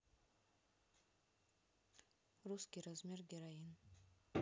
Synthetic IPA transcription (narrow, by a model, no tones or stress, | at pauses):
ruskʲiɾazmʲeɾɡʲeɾajin